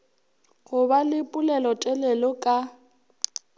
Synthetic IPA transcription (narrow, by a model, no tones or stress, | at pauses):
ɣʊbalɪpʼʊlɛlɔtʼɛlɛlɔkʼa